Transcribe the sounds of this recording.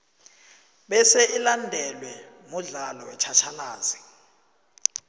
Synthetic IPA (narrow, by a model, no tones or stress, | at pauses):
ɓɛsɛʔilandʱɛlwɛ | muɮalɔwɛt͡ʃʰat͡ʃʰalaːzi